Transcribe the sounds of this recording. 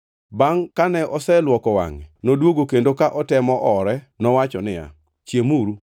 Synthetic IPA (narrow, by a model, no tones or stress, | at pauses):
baŋkanɛʔɔsɛlwɔkɔwa̰ŋɛnodwoɡokendokaʔɔtɛmɔʔɔɾɛ | nɔwat͡ʃɔnɪja̰ | t͡ʃjemuɾu